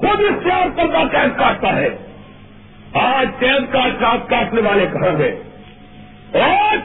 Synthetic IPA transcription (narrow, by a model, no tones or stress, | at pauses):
xʊd̪ɪst̪jaːɾkɐɾd̪akɛːskaːʈ̚t̪aɦɛː | aːd͡ʒt̪ɛːd̪kaːɾkaːt̪̚kaːʈneʋaːlekɐɦə̃ːɡḛː | ɛː